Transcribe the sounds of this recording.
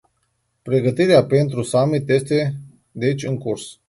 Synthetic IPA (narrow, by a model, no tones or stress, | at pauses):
pɾe̞ɡət̪iɾeape̞nt̪ɾusamit̪je̞st̪e̞ | d̪e̞t͡ʃʲɨŋkurs